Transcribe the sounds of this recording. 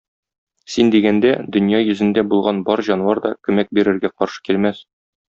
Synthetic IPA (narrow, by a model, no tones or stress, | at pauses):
sind̪iɡænd̪æd̪ɵ̆njɑjɵ̆zɘ̆nd̪æbulˠʁɑnbɒɾʑɒnwɑɾd̪ɒkʉ̆mæk̚biɾɘ̆ɾɡæqɒɾʃɤ̥kilmæs